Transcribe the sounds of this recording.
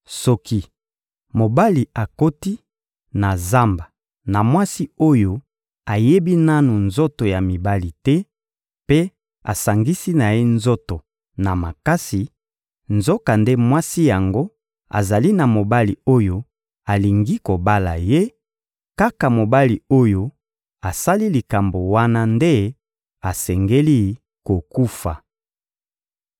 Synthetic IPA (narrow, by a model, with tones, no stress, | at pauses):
sɔ˦ki˦ | mo˨ba˦li˨a˨ko˦ti˦ | na˨za˦mba˨ | na˨mwa˦si˦o˦jo˦ | a˨je˦bi˦na˦nu˨nzo˦to˨ja˨mi˨ba˦li˨tɛ˦ | pe˦ | a̰˨sa˨ŋɡi˦si˦na˨je˦nzo˦to˨ | na˨ma˨ka˦si˨ | nzo˦ka˨nde˦mwa˦si˦ja˨ŋɡo˦ | a̰˨za˨li˦na˨mo˨ba˦li˨o˦jo˦ | a˨li˨ŋɡi˦ko˨ba˦la˨je˦ | ka˦ka˨mo˨ba˦li˨o˦jo˦ | a˨sa˦li˦li˨ka˨mbo˨wa˦na˦nde˦ | a˨sɛ˨ŋɡe˦li˦ | ko˨ku˦fa̰˨